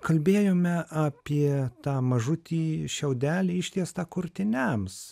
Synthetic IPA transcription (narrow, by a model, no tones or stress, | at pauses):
kɐlʲbʲeːjoːmʲɛʔɑːpʲiɛt̪ɑːmɐʒʊt̪ʲiːʃʲɛʊd̪ʲæːlʲiɪʃʲt̪ʲiɛst̪ɑːkʊɾʲt̪ʲɪnʲæms